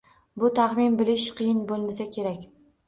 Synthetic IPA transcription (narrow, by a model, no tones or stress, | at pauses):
bʊt̪ʰaχmɪnbɪlɪʃqʰɨjɪnbolˠmasakʲʰe̞ɾakʲ